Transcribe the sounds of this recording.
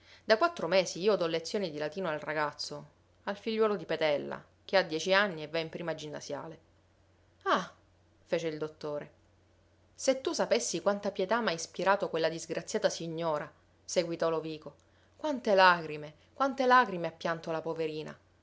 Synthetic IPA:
d̪akwat̪ːɾomeːsziiːod̪ɔlːet̪sːjoːnid̪ilat̪iːnoalraɡat̪sːo | alfiʎːwɔːlod̪ipet̪ɛlːa̰ | k̟ead̪ːjɛːt͡ʃianːievːaimpɾiːmad͡ʒinːa̰sja̰ːle | a | feːt͡ʃeild̪ot̪ːoːɾe | set̪ːusapesːikwant̪apjet̪amajspiɾaːt̪okwelːad̪izɡɾʔat̪sːjaːt̪asiɲːoːɾa | seɡwit̪ɔloviːko | kwant̪elakɾime | kwant̪elaːkɾimeapːjant̪olapoveɾiːna̰

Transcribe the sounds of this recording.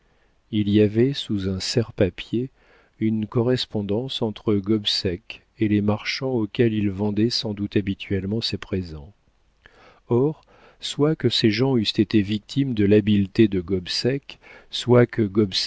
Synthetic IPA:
iliavɛsuzɛ̃sɛʁpapje | ynkɔʁɛspɔ̃d̪ɑ̃sɑ̃t̪χəɡɔbsɛk | elemaʁʃɑ̃okʲɛlilvɑ̃d̪ɛsɑ̃d̪ut̪abit̪ʰɥɛlmɑ̃sepχezɑ̃ | ɔʁ | swakəseʒɑ̃yst̪et̪evik̚t̪ʰimd̪əlabilt̪ed̪əɡɔbsɛkswakəɡɔbs

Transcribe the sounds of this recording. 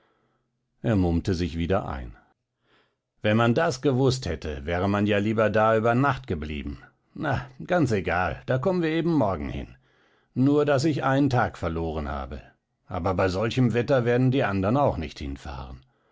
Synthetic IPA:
ʔeːɐmʊmtəzɪçv̥iːdɐʔa̰ɪn | vɛnmandasɡ̥əvʊsthɛtʰəvɛːʁ̞əmanjaːliːbɐdaːyːbɐnaχtɡ̥əblḭːbm̩ | naɡ̥ant͡seɡaːld̥aːkɔmənviːɐeːbm̩mɔɐɡŋ̩hɪ̰n | nuːɐdas̬ɪçʔa̰ɪnəntʰaːkfɛɐloːʁ̞ənha̰ːbə | ʔa̰ːbɐbaɪzɔlçəmvɛtɐveːɐdn̩diːʔandɐʁnaʊxnɪçthɪ̰nfa̰ːʁən

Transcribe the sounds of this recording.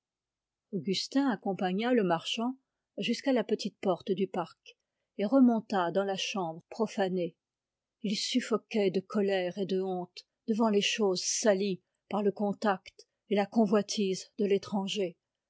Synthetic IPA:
ɔɡʲyst̪ɛ̃akɔ̃paɲaləmaʁʃɑ̃ | ʒyskalapət̪it̪̚pɔʁt̪d̪ypaʁk | eʁəmɔ̃t̪ad̪ɑ̃laʃɑ̃bʁpχɔfane | ilsyfɔkʲɛd̪əkɔlɛʁed̪əɔ̃t̪ | d̪̥əvɑ̃leʃozsali | paʁləkɔ̃t̪akt̪ | elakɔ̃vwat̪ʰizd̪əlet̪χɑ̃ʒe

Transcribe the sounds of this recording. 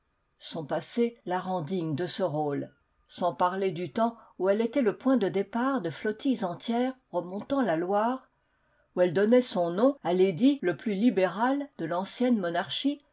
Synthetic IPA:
sɔ̃paselaʁɑ̃d̪iɲd̪əsəʁol | sɑ̃paʁled̪yt̪ɑ̃uɛlet̪ɛləpwɛ̃d̪əd̪epaʁd̪əflɔt̪ijzɑ̃t̪jɛʁʁəmɔ̃t̪ɑ̃lalwaːʁ | uɛld̪ɔnɛsɔ̃nɔ̃aled̪iləplylibeʁald̪əlɑ̃sjɛnmɔnaʁʃi

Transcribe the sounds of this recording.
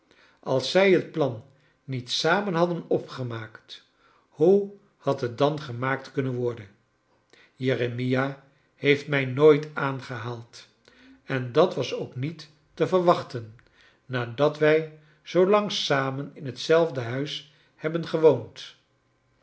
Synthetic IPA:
ʔɑlˠsːɛjɦət̚plɑnː | itsaːmənɦɑdənɔpχəmaːkt | hu | hɑtɦət̚dɑnχəmaːk̚tkɵnənʋɔɹdən | jerəmija | hejftmɛjnojtaːnχəɦaːlˠt | ɛndɑtʋɑsowknitː | əvəɹʋɑχtənː | aːdɑtʋɛj | z̥owlɑŋsaːmənɪnɦətsɛlˠvdəɦœɥs | hɛbənχəʋownt

